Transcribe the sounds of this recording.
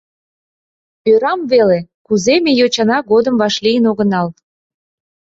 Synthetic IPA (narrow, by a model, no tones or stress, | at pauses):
øɾɑmvelekuzemejot͡ɕɑnɑɡod̪əmvɑʃlijənoɣənɑl